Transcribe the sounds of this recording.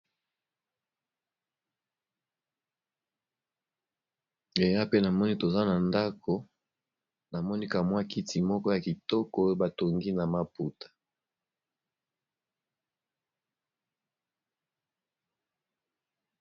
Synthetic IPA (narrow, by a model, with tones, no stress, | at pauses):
e˨ja˦pe˦na˨mɔ˦ni˦to˨za˦na˨nda˦kʰo˨ | na˨mɔ˦ni˦ka˨mwa˦ki˦tʰi˨mɔ˦kɔ˦ja˨ki˨tɔ˦kɔ˦ba˨to˨ŋɡi˦na˨ma˨pu˨tḁ˨